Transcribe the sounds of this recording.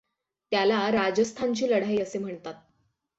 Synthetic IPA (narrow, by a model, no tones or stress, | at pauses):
t̪jalaɾad͡ʑəst̪ʰaɲt͡ɕiːləɽ̤aiəsem̤əɳt̪at̪̚